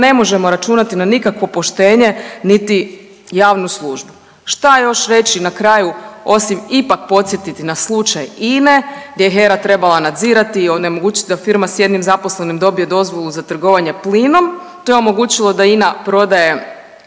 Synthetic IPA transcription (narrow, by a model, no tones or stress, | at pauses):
ne̞mo̞ʒe̞mo̞ɾat͡ʃuːnat̪inanikakʋo̞po̞ʃt̪e̞ːɲe̞nit̪i | jaːʋnuslˠuːʒbu | ʃt̪ajo̞ʃɾe̞t͡ʃinakɾaːjuo̞simipak̚po̞t̪sʲjet̪it̪inaslˠut͡ʃajineɡd̪jejeɦe̞ɾat̪ɾe̞balˠanad̪ziːɾat̪iːone̞mo̞ɡuːt͡ʃit̪id̪afiɾmasje̞d̪nimzaposlenimd̪o̞bije̞d̪o̞zʋo̞lˠuzat̪r̩ɡo̞ʋaɲe̞pliːno̞m | t̪o̞jeo̞mo̞ɡuːt͡ɕilˠo̞d̪ainapɾo̞d̪aje̞